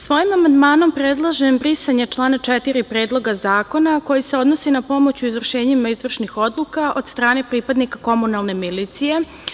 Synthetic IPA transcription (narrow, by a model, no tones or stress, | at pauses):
sʋo̞jimamand̪maːno̞mpɾed̪lˠaʒembɾisaɲet͡ʃlˠaːnat͡ʃɛt̪iɾipɾeːd̪lˠo̞ɡazaːko̞nako̞jise̞o̞d̪no̞sinapo̞mo̞t͡ɕuizvr̩ʃe̞ːɲimaizʋr̩ʃnixo̞d̪lˠukaʔo̞d̪st̪ɾaːne̞pɾipad̪nikako̞munalˠne̞milit̪sije̞